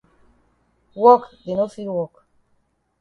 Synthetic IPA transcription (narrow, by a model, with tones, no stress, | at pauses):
wɔ˦kde˨nɔ˦tfi˦lwɔk